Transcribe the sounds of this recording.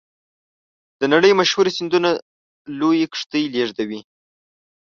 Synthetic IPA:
d̪̥ənaɽəjmaʃhuɾesind̪una | lojekʂt̪əjleʐd̪awi

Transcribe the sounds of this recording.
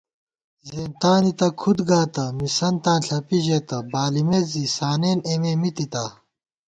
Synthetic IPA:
zeːnt̪aːnit̪ɐkʰud̪ɡaːt̪ɐmisɐnt̪ãːnɬʰɐpiʑeːt̪ɐbaːlimeːzisaːneːneːmeːmit̪it̪ɐ

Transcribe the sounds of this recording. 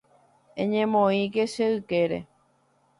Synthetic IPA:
ẽɲẽmõĩke̞ʃeɨke̞ɾḛ

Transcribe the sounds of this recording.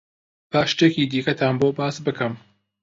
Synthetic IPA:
b̥aːʃt̪ekiːd̪iːkɐt̪ʰaːnboːbaːsbɨkɨm

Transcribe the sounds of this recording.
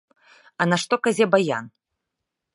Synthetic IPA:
ɐnɐʂt̪ɔkazʲɛbaja̰n

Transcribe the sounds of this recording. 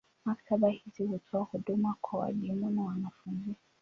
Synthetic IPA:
maktʰaɓahizihutʰɔahuɗumakwawa̰ɗimunawanafunzi

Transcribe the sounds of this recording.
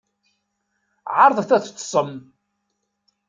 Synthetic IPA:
ʕɑɾˤðˤθæt͡sːt̪ˤːsˤəm

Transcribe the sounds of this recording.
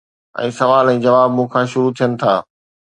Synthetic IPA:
ɛ̰̃ːsɐʋaːlɛ̃ːd͡ʑɐʋaːbmũkʰãːʃʊɾut̪ʰijənɪ̆t̪ʰaː

